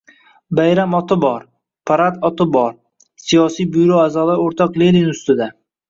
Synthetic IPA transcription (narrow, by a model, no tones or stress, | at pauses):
bajɾamɒt̪ʰɪbɒɾ | pʰaɾat̪ɒt̪ʰɪbɒɾ | sijɒsijbʊjɾoazɒlˠaoɾt̪ʰɒqlelɪnʊst̪ɪd̪a